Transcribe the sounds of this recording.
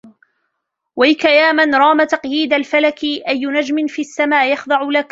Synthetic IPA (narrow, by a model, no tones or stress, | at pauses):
wajkajaːmanɾˤɑːmat̪ɑqjiːd̪alfalakɪʔajːʊnad͡ʒmɪnfiːʔasːamaːʔjɑxd̪ˤɑʕʊlak